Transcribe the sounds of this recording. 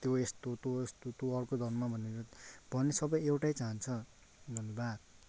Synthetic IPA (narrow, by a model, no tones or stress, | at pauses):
t̪joest̪ot̪oest̪ot̪joʌrkod̪ʱʌnmabʱʌneɾʌbʱʌnesʌbʌjewʈajt͡saɦʌnt͡sʰʌ | d̪ʱʌnjebad̪̚